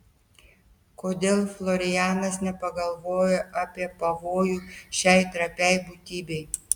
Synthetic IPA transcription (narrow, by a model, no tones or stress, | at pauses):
koːd̪ʲeːlˠflˠɔɾʲɪjæːnɐsnʲɛpɐɡɐlˠʋoːjoʔɐpʲiɛpɐʋoːjuːʃʲɛɪt̪ɾɐpʲɛɪbuːt̪ʲiːbʲɛɪ